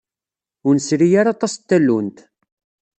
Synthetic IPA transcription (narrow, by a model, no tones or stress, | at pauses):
ʊnsɾijaɾɑt̪ˤɑst̪ːælːunt̪